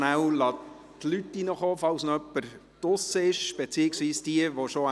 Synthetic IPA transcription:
næwlɑː | tlytːinəχoːfɑwsnœpːəɾtʊsəɪʃb̥et͡siːɪksviːsd̥iəʋoʃo

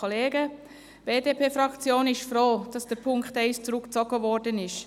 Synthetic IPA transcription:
ɔleːɡə | b̥eːdeːpʰeːfɾɑkt͡sjoːnɪʃfɾoːd̥ɑsd̥əɾpʰʊŋkχtɛɪst͡sɾʊkt͡sɔɡəvɔɾdənɪʃ

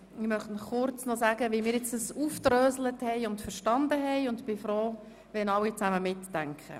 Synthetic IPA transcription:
ɪmœχtnɔχʊɾt͡snɔsæːɡəʋimɪːɾjɪt͡sdəsuːft̪ɾøːsləthɛɪʊndfəɾʃtɑnd̪əɦɛɪʊndb̥ɪfɾoː | ʋɛnɑwit͡sæməmɪtːæŋkχə̰

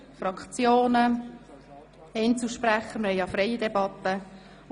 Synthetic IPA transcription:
frɑkt͡sjoːnə | ɛnt͡suʃpræχəməhɛɪjɑfɾɛɪjədebɑt̪ːə

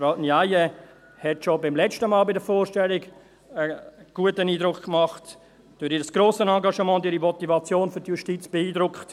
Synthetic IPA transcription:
fɾaʊnjaɪjə | hɛtʃobɪmlɛt͡stəmɑːlbɪdəfoːɾʃtɛlɪɡ | əɡ̥uətəniːdɾʊkkmɑχt | d̥uːɾiːɾəsɡ̥ɾoːsənɑŋɡɑʃəmɑ̃ːntiːɾimɔtivɑt͡sjoːnfʏɾtjuʃtit͡sb̥ɛiːdɾʊkχt

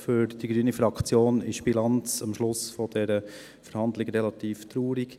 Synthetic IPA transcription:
fʏɾd̥iɡɾyːnifɾɑkt͡sjoːnɪʃb̥ilɑnt͡sɑmʃlʊsfɔd̥ɛɾə | fəɾhɑnd̪lɪɡɾɛlɑt̪iːft̪ɾuːɾiɡ

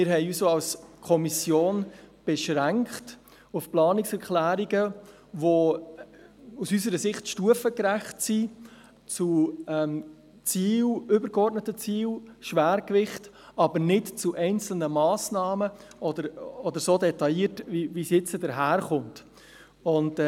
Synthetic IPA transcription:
mɪɾɦɛɪysoːɑlskʰɔmisjoːnb̥ɛʃɾæŋkt | ufplɑːnɪksɛɾklæːɾiɡə | ʋo | usysəɾəsɪχtʃtuəfəkɾæχtsi | t͡suɛm | t͡siːwʏbəɾɡɔɾtnətət͡siːwʃʋæːɾkʋɪχt | ɑbəɾnɪtt͡suʔɛɪnt͡sl̩nəmɑːsnɑːmə | ʔɔd̪əɾɔdəɾsoːdɛtɑiːtviʋisjɪt͡sədəɾɦæːɾχʊnt | ʊnd

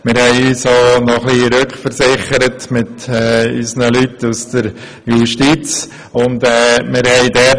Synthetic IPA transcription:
mɪɾhɛɪyːsoːnɔχliɾøkχfəɾsɪχəɾətmɪtɛːysnəlytusd̪̥əɾ | juʃtit͡s | ʊndɛːmɪɾhɛɪdɛ

